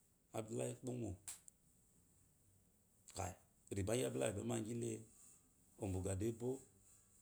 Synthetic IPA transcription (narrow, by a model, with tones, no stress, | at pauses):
a˨bla˦i˦k͡po˦mo˨ | ka̰˨i˨ | ɾi˨ba˨˦a˦bla˦˨bɛ˨˦ma˦˨ŋɡi˦le˦ | o˨mbu˨ɡa˨de˦bo˦